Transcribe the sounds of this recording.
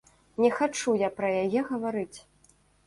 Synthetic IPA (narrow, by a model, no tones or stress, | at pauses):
nʲɛxat͡ʂujapɾɐjajɛɣɐvaɾɨt͡sʲ